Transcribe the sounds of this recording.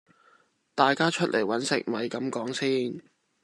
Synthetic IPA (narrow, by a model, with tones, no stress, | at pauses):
t̪aː˨jkaː˥t͡ʃʰɵ˥t̚lʔe˨˩jwɐ˨˥nsɪ̰˨k̚mɐ˨˧jkɐ˨˥mkɔː˨˥ŋsiː˥n